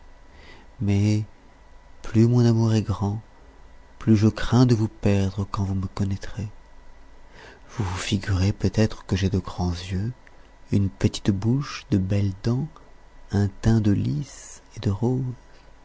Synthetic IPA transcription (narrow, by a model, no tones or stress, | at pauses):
mɛ | plymɔ̃namuʁɛɡʁɑ̃ | plyʒəkχɛ̃d̪əvupɛʁd̪ʁəkɑ̃vuməkɔnɛt̪χe | vuvufiɡʲyʁepøt̪ɛt̪χə̥kəʒed̪əɡʁɑ̃zjø | ynpət̪i̥t̪buʃd̪əbɛld̪ɑ̃ | ɛ̃t̪ɛ̃d̪əlised̪əʁoːz